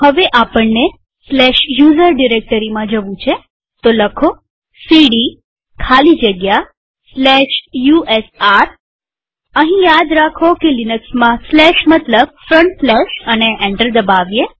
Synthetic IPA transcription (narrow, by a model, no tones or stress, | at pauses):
həʋeʔapəɳːe | slɛʃjuzəɾɖiɾek̚ʈəɾimãd͡ʒəʋũt͡ʃʰe | t̪oləkʰo | siɽi | kʰalid͡ʒəɡja | slɛʃjuʔesaɾ | əɦĩjad̪ɾakʰokelinəksmãslɛʃmət̪ləb̚fɾəɳʈflɛʃəneʔɛɳʈəɾd̪əbaʋje